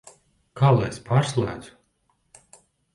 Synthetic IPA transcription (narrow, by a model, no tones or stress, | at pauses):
kalˠaspaːɾslˠæ̰ːd̪z̥u̥